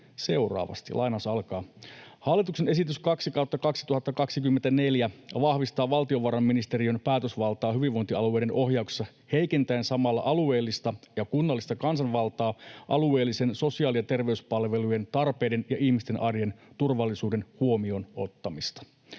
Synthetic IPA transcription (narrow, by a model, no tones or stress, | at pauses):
se̞urɑ̰ːʋɑ̰st̪ḭlʔɑ̰jnɑsɑlkɑːhɑlːit̪uksene̞sit̪yskɑksikɑut̪ːɑkɑksi̥t̪uhɑt̪ːɑkɑksikymːent̪æneljæʋɑhʋist̪ɑːʋɑlt̪ioʋɑɾɑmːinist̪e̞ɾiønpæːt̪øsʋɑlt̪ɑːɦyʋiʋo̞jnt̪iɑlue̞jdenʔo̞hjɑukse̥sːɑ | he̞jke̞nt̪æensɑmɑlːɑ̰ʔɑlue̞ːlːist̪ɑjɑkunːɑlːist̪ɑkɑnsɑnʋɑlt̪ɑːʔɑlue̞ːlːisenso̞siɑːliɑt̪e̞rʋe̞yspɑlʋe̞luje̞nt̪ɑrpe̞ːde̞njɑʔihmist̪enʔɑrjent̪urʋɑlːisuːde̞nhuo̞miono̞̰t̪ːɑmist̪ɑ̥